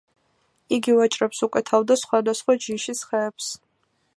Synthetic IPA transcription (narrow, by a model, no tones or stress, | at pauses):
iɡivat͡ʃʼɾɛpsukʼwɛt̪ʰavd̪asχwad̪asχwad͡ʒiʃisχɛːps